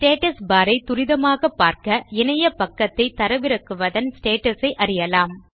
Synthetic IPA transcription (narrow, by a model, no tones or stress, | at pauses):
sʈeːʈɐsbaːɾɐɪt̪ʊɾɪðɐmaːɣɐpːaːɾkɐɛnɐjɐpɐkːɐt̪ːɐɪt̪ːɐɾɐʋɪɾɐkːɯʋɐðɐnsʈeːʈɐsɐɪʔɐɾɪjɐlaːm